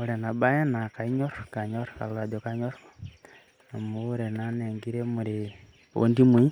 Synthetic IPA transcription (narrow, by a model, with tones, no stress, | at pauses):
u˨ɾe˨na˨ba˦je˦na˨ka˨i˦ɲɔ˦ɾka˨ɲɔ˦ɾka̰˨la˨d͡ʒo˨ka˨ɲo˦ɾ | a˨mu˦uɾe˨na˦ne˨ŋɡi˦ɾe˦mʊ˨ɾɪ | o̰˦ndi˦mi˦